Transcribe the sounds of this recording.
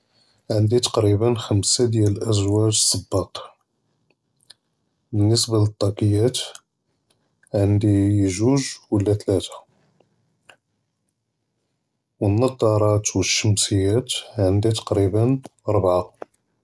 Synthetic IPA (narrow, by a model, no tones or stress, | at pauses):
ʕənd̪it̪ɑ̥qɾibənxəmsad̪jæləʔəzwæʒsˤəbːɑq̪ | bənːəsbalət̪ˤːɑqəjːæt̪ | ʕənd̪ijʒuʒwəlːæt̪læt̪ḁ | wənːɑd̪ˤɑɾˤɑt̪wəʃːəmsəjːæt̪ʕənd̪it̪ɑ̥qɾibənɾˤbʕa